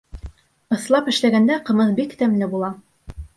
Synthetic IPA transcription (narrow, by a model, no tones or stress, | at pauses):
ɤ̆slˠɑpɘ̆ʃlæɡænd̪æqɤ̆mɤθbikt̪æmlɘbulˠɑ